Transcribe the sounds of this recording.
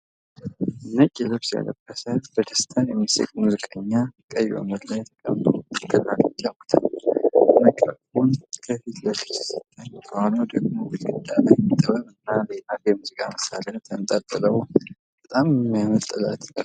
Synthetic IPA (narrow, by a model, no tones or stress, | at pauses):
ɨnːət͡ʃʼːɛlɨβsja̰lə̰bːəsəb̥əd̪ʰə̥st̪ʰanjɛmːɨsə̰kʼmuzɨkʼəɲːakʼəja̰mət̪lajɛt̪ʰə̥kʼə̰mt̪ʰʼoɡɨlːalot̪jawkʰt̪ʰa̰l | məkʼafunkʰəfit̪ʰlət̪ʰəssɨt̪ʰəɲt̪ʰəwalod̪əɡmowɨlɡɨd̪alajɛmːit̪ʼːəβəmɨnːalelakjɛmuzɨkʼa̰məsalənt̪ʰəmt̪ʼat̪ʼːɨləw | b̥ət̪ʼammːjamət̪ʼːɨla̰t̪